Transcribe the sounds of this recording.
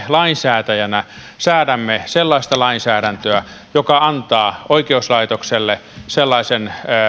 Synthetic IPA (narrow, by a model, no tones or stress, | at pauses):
lɑinsæːt̪æjænæ | sæːɾæmːeselːɑist̪ɑlɑinsæːɾænt̪øæ | jokɑɑnt̪ɑːoikeuslɑit̪okselːe | selːɑisen